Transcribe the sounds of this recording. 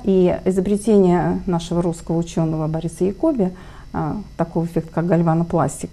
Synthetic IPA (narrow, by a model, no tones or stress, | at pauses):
ʔiɪzəbɾʲɪtʲenʲɪjənaʂɨvəɾuskəvəʊt͡ɕo̞nːəvəbɐɾʲisəjɪkobʲɪ | t̪ɐkojvəfʲek̚t̪kak̚ɡɐlʲvanəplˠa̰sʲtʲɪk